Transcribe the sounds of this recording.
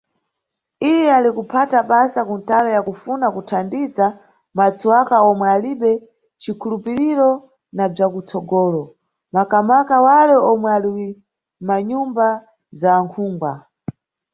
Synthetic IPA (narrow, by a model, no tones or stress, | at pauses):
ijɛalikupʰataɓasakuntalɔjakufunakutʰandiza | mat͡suwakaɔmwɛaliɓɛ | t͡ʃikʰulupiɾiɾɔ | nab͡ʐakut͡sɔɡɔːlɔ | makamakawalɛɔmwɛaliwi | maɲumba | zaːŋkʰuːŋɡwa